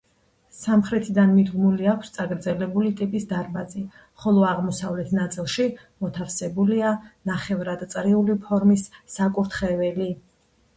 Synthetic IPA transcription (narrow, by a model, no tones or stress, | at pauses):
samχɾɛt̪ʰid̪anmid̪ɡmuliakʷʰst̪sʼaɡɾd̪zɛlɛbulit̪ʼipʼisd̪aɾmazi | χɔlˠɔaʁmɔsavlɛt̪ʰnat̪sʼilˠʃi | mɔt̪ʰafsɛbulianaχɛvɾad̪t̪sʼɾiulipʰɔɾmisːakʼuɾt̪ʰχɛvɛli